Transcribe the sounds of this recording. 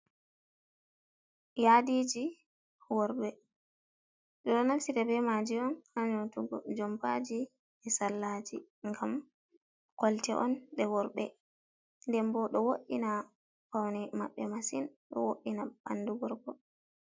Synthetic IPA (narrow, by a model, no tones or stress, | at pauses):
jadid͡ʒi | wɔɾɓɛ | ɗɔɗɔnafsiɾɛbɛmad͡ʒiɔnhaɲotuɡɔ̰d͡ʒɔmbad͡ʒi | ɛsalːad͡ʒi | ŋɡam | kɔltɛʔɔnɓɛwɔɾbɛ | ndɛmbɔɗɔwoɗina | pawnɛmaɓːɛmasinɗɔ̰woɗːinabanduɡɔɾɡɔ